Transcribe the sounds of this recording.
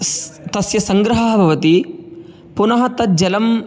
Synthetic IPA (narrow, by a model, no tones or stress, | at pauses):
t̪ɐsjɐsɐŋɡɾɐɦɐɦɐbʱɐʋɐt̪i | punɐɦɐt̪ɐt̪̚d͡ʒɐlɐm